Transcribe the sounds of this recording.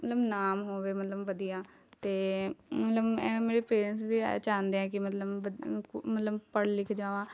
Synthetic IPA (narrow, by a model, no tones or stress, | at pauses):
ət̪ləbnaːmɦoːʋeːmət̪ləbʋəd̪ijaː | t̪eːmət̪ləbɛ̃ːmeːɾeːpeːɾəns̬bḭːt͡ʃãːnd̪eɛ̃ːkɪmət̪ləbəmət̪ləbpəɽlɪkʰd͡ʒaːʋaː